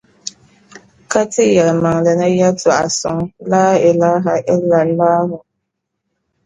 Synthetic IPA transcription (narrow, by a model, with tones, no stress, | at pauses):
ka˦tɪ˦jɛ˨lma˨ŋda˨na˦ja˦tʰʊ˨a˨sʊ̰˨ŋlaː˦ɪ˨la˦ɦa˨ʔɪ˦lːa˨n˦laː˦ɦʊ˨